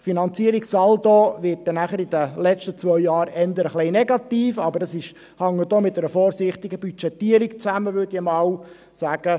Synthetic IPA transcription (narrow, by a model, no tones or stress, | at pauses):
finɑnt͡siəɾiksɑldoʋɪt̚dɛnæχəɾid̥̪əlɛt͡ʃtət͡sʋœʏjɑːɾɛnd̪əɾəχlɛɪnɛɡɑt̪iːfɑbədɑsɪʃ | hɑŋːədoːmɪtːɛɾəfɔːɾsɪχt̪ɪɡəbyt͡ʃɛt̪ːiːəɾikt͡sæməʋødiəmɑːw | sæːɡ̥ə